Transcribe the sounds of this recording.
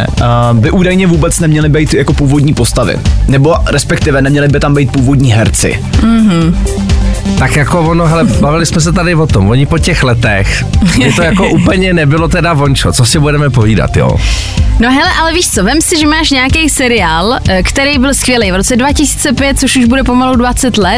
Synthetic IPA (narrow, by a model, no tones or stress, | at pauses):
bɪʔuːdajɲɛvuːbɛt͡snɛmɲɛlɪbɛjt̪jakopuːvodɲiːpost̪avɪ̰nɛboɾɛspɛkt̪ɪvɛnɛmɲɛlɪbɪt̪ambɛjt̪̚puːvodɲiːɦɛɾt͡sɪ̰ | m̩ɦ̩ | t̪akjakovonoɦɛlɛbavɪlɪsmɛs̬ɛt̪̬adɪvot̪omvoɲɪpocɛxlɛt̪ɛx | ɛt̪ojakoʔuːpl̩ɲɛnɛbɪlot̪ɛdavont͡ʃot͡sosɪbudɛmɛpoviːda̰t̪jo̰ː | noɦɛlɛʔalɛviːʃt͡sovɛmsɪʒɛmaːʃɲɛakejsɛɾɪaːlkt̪ɛɾejbɪlskvʲɪjɛlejvɾot͡sɛdvacɪsi̥ːt͡sɛpjɛt̪̚t͡soʃuʒbudɛpo̞maludvat͡sɛt̪lɛ